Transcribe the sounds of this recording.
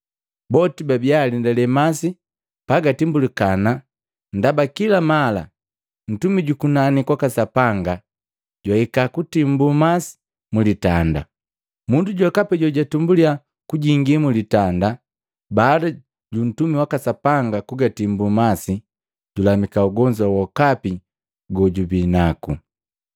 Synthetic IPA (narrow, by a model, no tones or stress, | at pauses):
bɔtibabialindɛlɛmasi | paɡatimbulikana | ndabakilamala̰ | n̩tumiɟukunanikwakasapaŋɡa | ɟwahikakutim̩bumasi̥ | mulitanda̰ | munduɟwakapɛɟɔɟatumbulia | kuɟiŋɡimulitanda | baːda | ɟun̩tumiwakasapaŋɡakuɡatimbumasi | ɟulamikauɡɔɲd͡ʒwawɔkapi | ɡɔɟubinaku